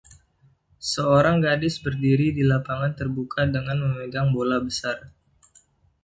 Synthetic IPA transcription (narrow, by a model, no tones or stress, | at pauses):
səoɾaŋɡadɪsbərdiɾidilapaŋant̪ərbukʰadəŋanməməɡaŋbolabəsar